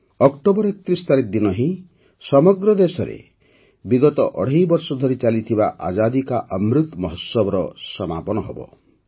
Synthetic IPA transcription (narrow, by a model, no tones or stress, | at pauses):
ɔkʈobɔɾekt̪ɾist̪aɾid̪inɔɦĩ | sɔmɔɡɾɔd̪esɔɾḛ | biɡɔt̪ɔʔɔɽ̤ajbɔɾsɔd̪ʱɔɾit͡ʃalit̪ʰibaʔa̰d͡ʒad̪ikaʔɔmɾut̪mɔɦɔsːɔbɔɾɔsɔma̰pɔnɔɦɔ̰bɔ̰